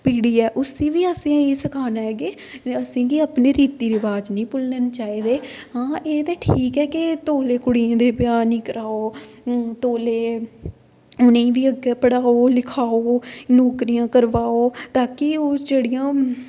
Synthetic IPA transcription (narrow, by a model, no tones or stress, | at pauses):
piːɽiːɛːʔʊsĩːʋiːəsĩːiːsəkʰaːnaɛːɡeː | əsĩːɡiaːpneːɾiːt̪iːɾɪʋaːd͡ʒnĩːpʊlnənt͡ʃaːiːd̪eːɦãːʔeːt̪eːʈʰiːkɛːkɪt̪oːleːkʊɽiẽːd̪eːpjaːnĩːkəɾaːoːt̪oːleː | ʊnẽʋiːəɡeːpəɽaːoːlɪkʰaːoːnoːkɾijãːkəɾʋaːoːt̪aːkioːd͡ʒeːɽijãː